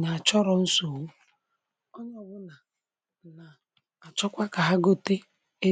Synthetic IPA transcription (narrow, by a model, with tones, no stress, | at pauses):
ɲa˨a˨t͡ʃɔ˦ɾɔ˨n̩˦so˨wu˦ | ɔ˦ɲɔ˦˨wʊ˦na˨ | na˨ | a˨t͡ʃɔ˦kʷa˦ka˨ɦa˦ɡo˦te˦ | e˦